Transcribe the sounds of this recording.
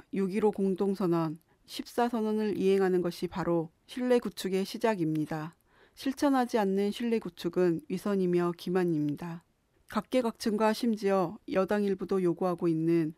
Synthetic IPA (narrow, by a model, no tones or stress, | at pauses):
juɡiɾokoŋdoŋsʰʌnʌn | ɕʰip̚s͈asʰʌnʌnɯɾʔḭɦe̞ŋɦanɯnɡʌɕʰipaɾo | ɕʰiɭːe̞ɡut͡ɕʰuɡe̞ɕʰid͡ʑaɡimɲida | ɕʰiɭt͡ɕʰʌnɦad͡ʑianːɯnɕʰiɭːe̞ɡut͡ɕʰuɡɯnɥisʰʌɲimjʌkimaɲimɲida | kak̚k͈e̞ɡak̚t͡ɕʰɯŋɡwaɕʰimd͡ʑiʌjʌdaŋiɭbudojoɡuɦaɡoinːɯn